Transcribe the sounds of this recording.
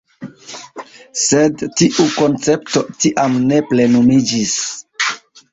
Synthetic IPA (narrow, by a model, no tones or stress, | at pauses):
sedtiʔuko̞nt͡se̞pto̞tiʔamne̞ple̞numid͡ʒis